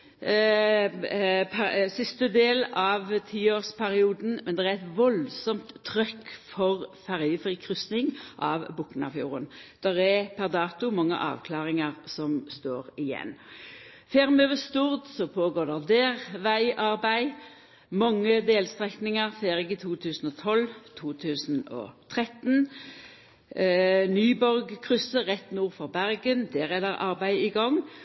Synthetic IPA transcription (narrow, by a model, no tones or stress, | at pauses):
pʰsɪst̪əd̪eːlɑʋt̪ʰiːoːʁspʰæɾɪuːd̪n̩mɛnd̪ɛʁææɪt̪ʋɔlsɔmt̪ʰːɾʏkfɔʁfæʁjəfʁiːkʰʁʏsnɪŋʔɑʋbʊkːnɑ̰fjṵːʁə̰nd̪̥ɛʁɛpʰæʁd̪ɑːt̪ʊmɑŋːə̰ʔɑ̰ːʋkʰlɑːʁɪŋəʁsɔmst̪oːʁɪjɛ̰nː | feːʁmøːʋəst̪uːʁd̪sɔpʰoːɡoːʁd̪ɛʁd̪eːʁʋæɪʔɑʁbæɪ | mɑŋːəd̪eːlst̪ʁɛknɪŋəʁfeːɾɪkət̪ʰuːt̪ʰʉːsən̩ɔt̪ʰɔlt̪ʰuːt̪ʰʉːsnɔ̰t̪ʰʁɛt̪n | nyːbɔɾɡkʰʁʏsəʁɛt̪ːnuːʁfɔʁbæɾɡənd̪eːʁɛd̪ɛʁʔɑʁbæɪɪɡɑŋː